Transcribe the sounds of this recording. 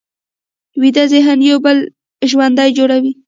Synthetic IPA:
wid̪azeɦanjawbəl | ʒwand̪ɑjd͡ʒoɽawi

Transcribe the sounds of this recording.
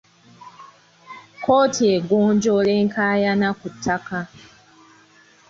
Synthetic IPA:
koːtʰieɡond͡ʒoleŋ̩kʰajanakutʰaka

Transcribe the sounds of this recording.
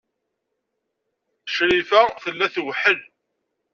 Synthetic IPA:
əʃɾifæθəlːæθwħəl

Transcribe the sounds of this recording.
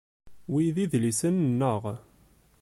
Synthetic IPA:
wiðiðlisənnːəʁ

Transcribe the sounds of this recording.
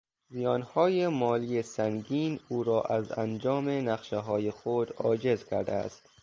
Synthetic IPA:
mijɒːnhɒːjemɒːliːesæŋɡiːnuːɾɒːʔæzæ̰nd͡ʒɒːmenæχʃeɦɒːjexod̪ɒ̰ːd͡ʒe̞zkʰæ̰ɾd̪ææ̰st̪

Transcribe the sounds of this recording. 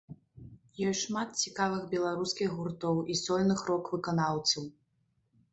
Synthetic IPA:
jɔjʂmat̪̚t͡sʲikavɨxbʲɛlˠaɾuskʲiɣɣurt̪ɔwisɔlʲnɨxrɔkvɨkanawsʲiw

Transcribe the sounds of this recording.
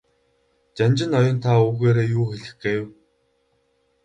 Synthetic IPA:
t͡ɕanʲt͡ɕɪ̆nɔjɞ̆nt̪ʰauːɣeːɾeːjuːxeɮɘ̆xɡeːw

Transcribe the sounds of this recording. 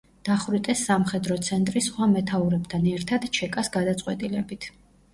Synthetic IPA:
d̪̥aχwɾit̪ʼɛsːamχɛd̪ɾɔt̪sʰɛnt̪ʼɾisχwamɛt̪ʰauɾɛbt̪ʰanɛɾt̪ʰad̪t͡ʃʰɛkʼasɡad̪at̪sʼwɛt̪ʼilɛbit̪ʰ

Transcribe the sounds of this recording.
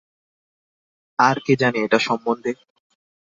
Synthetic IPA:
aɾked͡ʑaneeʈaʃɔmbond̪ʱe

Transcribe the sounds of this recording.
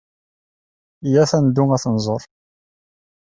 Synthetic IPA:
jæθænd̪umæθnzˤoɾˤ

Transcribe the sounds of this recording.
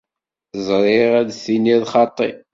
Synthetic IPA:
zˤɾˤɪʁæd̪θiniðχɑt̪ˤːi

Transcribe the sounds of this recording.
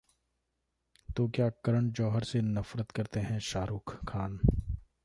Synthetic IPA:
t̪oːkjaːkɐɾəɳ̃d͡ʒɔːɦəɾsenɐfɾət̪kɐɾt̪eɦɛ̃ʃaːɾuːkʰːaːn

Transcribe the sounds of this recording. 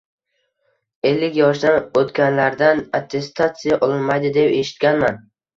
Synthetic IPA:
e̞lːɪkʲjɒʃd̪anot̪kʲanlaɾd̪anat̪ʰːe̞st̪ʰat̪sijaʔɒlˠɪnmajd̪ɪd̪e̞pe̞ʃɪ̥t̪̚kʲanman

